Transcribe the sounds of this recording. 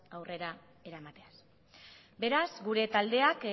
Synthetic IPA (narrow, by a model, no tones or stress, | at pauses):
awre̞ɾa | e̞ɾamat̪e̞as | be̞ɾazɡuɾe̞t̪ald̪e̞ak